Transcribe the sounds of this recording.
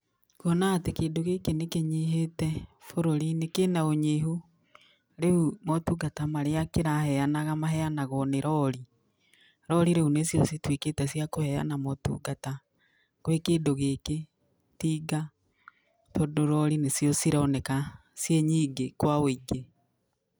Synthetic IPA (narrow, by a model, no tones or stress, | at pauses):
kwɔnatekeːdoɣeːkenekeɲiɦetɛfoɾoɾinekenaoɲeːɦo | ɾeumɔtuɡatamaɾeakeɾahɛanaɣamaɦɛanaɣɔneɾɔɾi | ɾɔɾiɾeunesjɔsitweketɛsiakohɛa̰namɔtṵɡata | kwekeːdoɣeːke | tiːɡa | todoɾɔɾinesijɔsiɾɔnɛkasjeɲiːɡekwaoiɡe